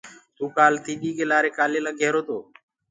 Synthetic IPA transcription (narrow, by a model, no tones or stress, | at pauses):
t̪uːkaːlt̪iːɗiːkeːlaːɾeːkaːleːlãːɡʱeːɾoːt̪oː